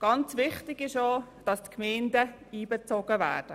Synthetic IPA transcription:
ɡ̥ɑnt͡sʋɪχtɪɡɪʃoːd̥ɑstkmɛɪndə | iːbɛt͡sɔɡ̥əvæ̰ːɾd̥ə

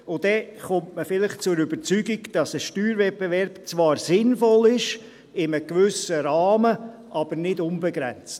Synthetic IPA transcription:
ʊd̥ɛχʊmtməfɪlɪχt͡sʊɾybəɾt͡syɡiɡd̥ɑsəʃtyːɾvɛt̚pevɛɾbt͡sʋɑːɾsɪnfɔlɪʃ | ɪməkʋʏsəɾɑːmə | ʔɑb̥əɾnɪdʊnbɛɡɾɛnt͡st

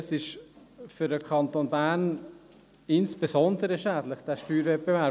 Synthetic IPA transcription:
sɪʃ | fʏɾəkʰɑnt̪oːnbæːn | ɪnsb̥esɔnd̪əɾəʃæːd̪lɪχd̪̥æːʃtyːɾvɛt̚b̥evæ

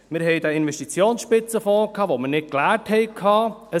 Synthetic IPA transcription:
mɪɾɦɛɪdəɪnvɛʃtit͡sjoːnsʃpɪt͡səfɔːkʰːɑːʋomənɪt̚klæːthɛɪkʰːɑːə

